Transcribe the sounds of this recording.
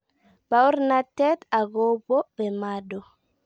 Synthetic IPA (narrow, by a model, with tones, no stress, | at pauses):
ba˦u˦ɾna˦tːɛ˦t̪a˨ɡo˦bɔ˦bɛ˨madɔ˨